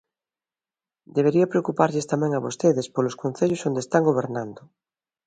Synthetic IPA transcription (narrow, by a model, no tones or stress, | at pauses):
d̪eβ̞eɾiɐpɾeokupaɾʎest̪amɛ̃ŋɐβost̪eðespoloskon̟θeʎosond̪est̪aŋɡoβ̞eɾnand̪ʊ